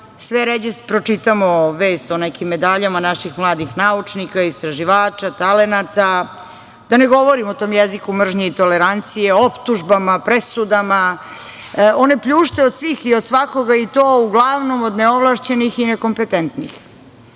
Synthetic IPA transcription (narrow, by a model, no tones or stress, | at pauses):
sʋeɾed͡ʑespɾo̞t͡ʂit̪amoʋeːst̪o̞nekimːed̪aʎamanaʃixmlˠaːd̪ixnaut͡ʂnikaist̪ɾaʒiʋaːt͡ʃat̪alenat̪a | d̪̥ane̞ɡo̞ʋoɾimot̪o̞ːmjezikumr̩ʒɲiit̪o̞leɾant̪sijeopt̪uʒbamapɾesud̪ama | o̞ne̞pʎuːʃt̪eod̪sʋiːxiod̪sʋako̞ɡait̪oːuɡlˠaʋno̞mod̪neoʋlˠaʃt͡ɕenixineko̞mpet̪ent̪nḭx